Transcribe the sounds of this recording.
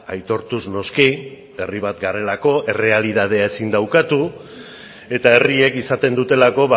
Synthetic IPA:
ajt̪o̞ɾt̪uzno̞ski | e̞riβ̞at̪ɡaɾe̞lako̞ʔe̞re̞aliðað̞e̞ae̞sind̪awkat̪u | e̞t̪ae̞rie̞kisat̪e̞nd̪ut̪e̞lako̞βa

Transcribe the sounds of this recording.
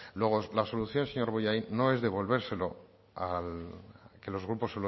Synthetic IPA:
lwe̞ɣolaso̞luθjo̞nseɲo̞ɾβojajno̞e̞zðe̞βo̞lβ̞e̞ɾse̞lo̞ | alke̞lo̞zɣɾupo̞selo

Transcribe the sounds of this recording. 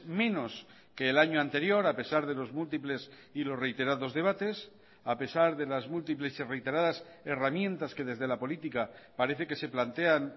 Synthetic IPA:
mẽ̞no̞s | ke̞ːlaɲoant̪e̞ɾjo̞ɾape̞saɾð̞e̞lo̞zmult̪iple̞s | ilo̞sre̞jt̪e̞ɾaðo̞zðe̞β̞at̪e̞s | ape̞saɾðe̞lazmult̪̬iple̞sire̞jt̪e̞ɾaðas | eramjẽ̞nt̪aske̞ðe̞zðe̞lapo̞lit̪ikapaɾe̞θe̞ke̞se̞plant̪e̞an

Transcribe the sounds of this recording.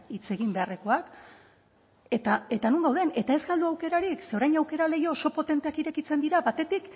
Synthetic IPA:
it͡se̞ɣimbe̞are̞ko̞ak | e̞t̪ae̞t̪anuŋɡawðe̞ne̞t̪ae̞zɡald̪uawke̞ɾaɾikse̞o̞ɾajɲawke̞ɾale̞jo̞ːso̞po̞t̪e̞nt̪e̞akiɾe̞kit͡se̞nd̪iɾabat̪e̞t̪ik

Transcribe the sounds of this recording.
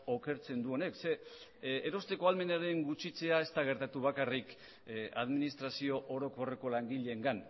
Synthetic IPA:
oke̞ɾt͡se̞nd̪uo̞ne̞kse̞ː | ɾo̞st̪e̞ko̞alme̞naɾe̞ŋɡut͡ʃit͡se̞ae̞st̪aɣ̞e̞ɾt̪at̪uβ̞akarik | a̰ðminist̪ɾasio̞ʔoɾo̞ko̞re̞ko̞laŋɡiʎe̞ːŋɡan

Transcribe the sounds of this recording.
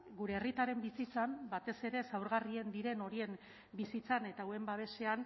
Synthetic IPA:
ɡuɾe̞ːrit̪aɾe̞mbisit͡sambat̪e̞se̞ɾe̞sawɾɣarie̞nd̪iɾe̞no̞ɾie̞m | bisit͡sane̞t̪awe̞mbaβ̞e̞se̞an

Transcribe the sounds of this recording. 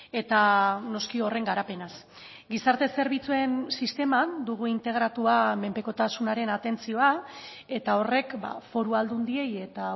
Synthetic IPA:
e̞t̪ano̞skio̞re̞ŋɡaɾape̞nas | ɡisaɾt̪e̞se̞ɾβit͡sue̞nsist̪e̞mad̪uɣ̞uint̪e̞ɣ̞ɾat̪uame̞mpe̞ko̞t̪asunaɾe̞nat̪e̞nt͡sio̞a | e̞t̪ao̞re̞kba̰fo̞ɾuald̪und̪ie̞je̞t̪a

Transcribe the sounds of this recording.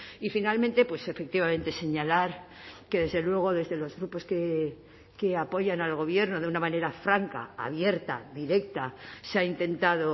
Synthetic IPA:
ifinalment̪e̞pwese̞fe̞k̚t̪iβamẽ̞nt̪e̞se̞ɲalaɾ | ke̞ðe̞zðe̞lwe̞ɣ̞o̞ðe̞zðe̞lo̞zɣɾupo̞ske | ke̞apo̞ʝanalɣo̞β̞je̞ɾnoðeunamãne̞ɾafɾaŋka̰ːβje̞ɾt̪a̰ðiɾe̞kt̪aseaint̪e̞nt̪aðo̞

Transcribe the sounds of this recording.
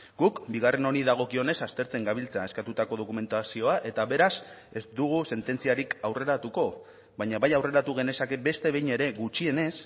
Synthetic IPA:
ɡukbiɣ̞are̞no̞ɾiðaɣ̞o̞kio̞ne̞sast̪e̞ɾt͡se̞ŋɡaβilt͡saeskat̪ut̪ako̞ð̞o̞kume̞nt̪asio̞aʔe̞t̪aβe̞ɾas | e̞zd̪uɣ̞use̞nt̪e̞nt͡siaɾikawre̞ɾat̪uko̞ | βajɲaβajawre̞ɾat̪uɣ̞e̞ne̞sake̞be̞st̪e̞βe̞jɲe̞ɾe̞ɣut͡ʃie̞ne̞s

